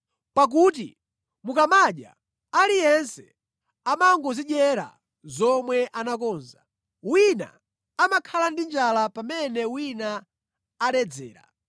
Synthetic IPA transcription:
pak̬ut̬ḭ | mukamaɗja̰ | alijɛnsɛ̥ | amaŋɡɔziɗɛɾa̰ | zɔmwɛʔanak̬ɔːnza̰ | wina̰ | amakʰalandind͡ʒalapamɛnɛwinaː | ɗɛd͡zɛ̰ːɾa̰

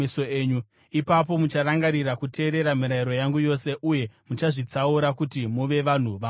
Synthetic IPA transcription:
isoeːɲu | ipap̬o̞mut͡ʃaɾaŋɡaɾiɾakutʰe̞ːɾe̞ɾamiɾaiɾo̞jaŋɡujo̞se̞ʔuje̞mut͡ʃaʐit͡sauɾakutimuʋe̞ʋan̤uʋa

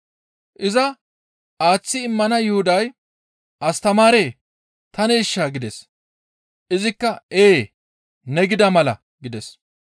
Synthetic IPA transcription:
ʔɪzɐ | ʔaːt͡sːɪːmːɐnɐjʊhʊd̪ɐj | ʔɐst̪ɐmaːɾeː | t̪ɐnɛɪʃːaːɡɪd̪ɛs | ʔɪzɪkːɐeː | nɛɡɪd̪ɐmɐlɐ̰ | ɡɪd̪ɛs

